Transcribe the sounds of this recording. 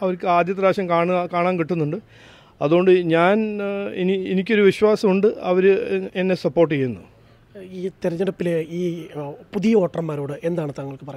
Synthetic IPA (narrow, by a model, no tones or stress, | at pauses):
ɐʋɐɾkːɨaːd̪jɐt̪ːɐɾaːɕɐmkaːɳkaːɳaːnkiʈːunːuɳɖɨ | ɐ̰ðuɣo̞ɳɖɨɲaːnenienikʲːo̞ɾuʋiɕwaːsɐmuɳɖɨɐʋɐɾɨenːe̞sɐpːo̞ːrʈːɨt͡ɕejːunːṵ | iːt̪eɾɐɲːɐɽɐpːileiːpuðijɐo̞ːʈrɐmːaːɾoːɽɨʔe̞nd̪aːɳɨt̪ɐŋːɐɭkːɨpɐrɐj